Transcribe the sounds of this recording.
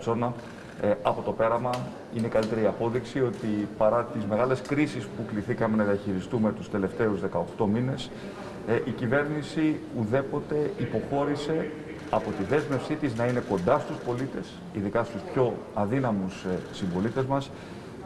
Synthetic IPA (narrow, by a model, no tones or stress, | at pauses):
t͡so̞nɐ | ɐpo̞t̪o̞pe̞ɾɐmɐ | ine̞kɐlit̪e̞ɾiɐpo̞ðiksio̞t̪ipɐɾɐt̪izme̞ɣɐle̞skɾisispukliθikɐme̞nɐðiɐçiɾist̪ume̞t̪ust̪e̞le̞ft̪e̞uzðe̞kɐo̞xt̪o̞mine̞s | ʔicive̞ɾnisiuðe̞po̞t̪e̞ipo̞xo̞ɾise̞ | ɐpo̞t̪iðe̞zme̞fsit̪iznɐine̞ko̞nd̪ɐst̪uspo̞lit̪e̞s | iðikɐst̪uspço̞ɐðinɐmussiɱvo̞lit̪e̞zmɐs